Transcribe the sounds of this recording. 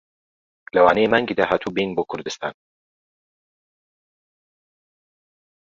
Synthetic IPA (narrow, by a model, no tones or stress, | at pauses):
lɐwaːnejemaŋɡiːd̪aːɦaːt̪ʰuːbejnboːkʰʊɾd̪ɨst̪ʰa̰ːn